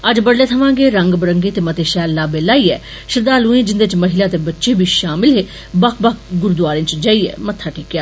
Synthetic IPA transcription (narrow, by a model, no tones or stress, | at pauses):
əd͡ʒbəɽleːt̪ʰəʋãːɡeːɾəŋɡbəɾəŋɡeːt̪eːmət̪eːʃɛːlːaːbeːlaːiːɛː | ʃɪɾd̪aːlũːẽːd͡ʒɪnd̪eːɪt͡ʃməɦɪlaːt̪eːbətːʃeːbʱiːʃaːmɪlɦeː | bəkʰbək̚ʰɡʊɾd̪ʋaːɾɪ̃ːnt͡ʃd͡ʒaːiːɛ̰ːmət̪ʰːaːʈʰiːkjaː